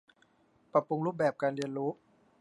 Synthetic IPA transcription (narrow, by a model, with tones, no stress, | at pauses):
pɾa˧˩pu˧ŋɾuː˦˥p̚bɛː˨˩p̚kaː˧nɾi˧ənɾuː˦˥ʔ